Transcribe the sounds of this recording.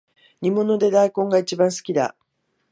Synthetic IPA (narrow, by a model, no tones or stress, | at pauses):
ɲ̟imo̞no̞d̪e̞d̪aikõ̞ŋɡait͡ɕibãɰ̃sɨ̥kʲid̪a̰